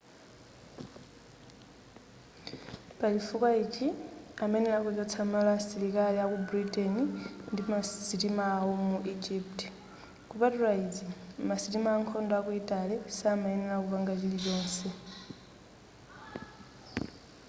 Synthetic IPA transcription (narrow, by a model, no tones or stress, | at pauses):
pat͡ʃifukwait͡ʃiamɛnɛlakɔd͡ʒɔt͡sʰamalasilikaliakubuɾitʼɛnindimasitimaːɔmuʔid͡ʒiptʼɛ | kupatulaid͡zimasitimaːŋkʰɔndɔakuitʼalɛsaːmainɛlakuβaŋɡat͡ʃilit͡ʃɔːnsɛ